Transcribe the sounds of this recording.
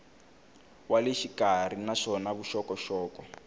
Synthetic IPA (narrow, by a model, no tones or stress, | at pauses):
waleʃikar̤inaʂɔnaβuʃɔkɔʃɔːkɔ